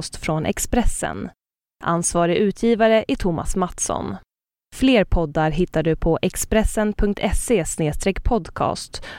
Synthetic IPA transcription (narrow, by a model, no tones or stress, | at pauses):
st̪fɾɔnʔɛ̰kspɾɛsːə̰n | ʔa̰nsvɑːɾɪʔʉ̟ːt̪ʰjiːvaɾəʔɪt̪ʰʊmʔa̰smat̪sɔ̰n | fleːɾpʰɔd̪ːaɾɦɪt̪ːaɖɵpʰɔʔɛkspɾɛsːənpʰɵŋkt̪ʰɛseːsneːst̪ɾɛkːpʰɔd̪kʰɑ̰ːst̪